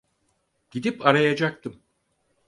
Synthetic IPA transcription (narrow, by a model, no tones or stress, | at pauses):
ɟ̥id̪ipaɾajad͡ʒak̚t̪ʰɯm